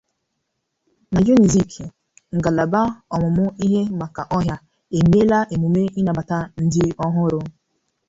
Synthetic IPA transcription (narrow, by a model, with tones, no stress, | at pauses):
na˨ju˦ni˨zi˦˨kʰ | ŋ̩˨ɡa˨la˨ba˦ɔ˨mʊ˨mʊ˦i˦ɦe˦ma˨ka˨ʔɔ˦ɦja˦ | e˨m˦e˦la˦ʔe˨mu˨me˦i˦na˨ba˨ta˦n̩˦dɪ˦ɔ˦ɦʊ˦ɾʊ˦